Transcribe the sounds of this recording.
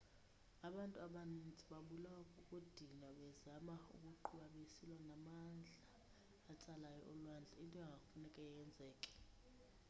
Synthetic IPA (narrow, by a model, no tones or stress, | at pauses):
aɓantʼuaɓanind͡zʱʼiɓaɓulawkʼukʼud̥ʱinaɓɛzamaṵkʼuǃʰuɓaɓesilwanamand͡ɮʱaː | t͡sʼalajɔ̰ʔɔlwand͡ɮʱɛintʼɔɛŋɡʱafunɛkʼɛjɛnd͡zʱɛːkʼɛ̥